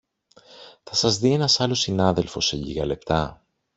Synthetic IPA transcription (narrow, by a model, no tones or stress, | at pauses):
θɐsɐzðie̞nɐsɐlo̞sinɐðe̞lfo̞̰seʎḭɣɐle̞pt̪ɐ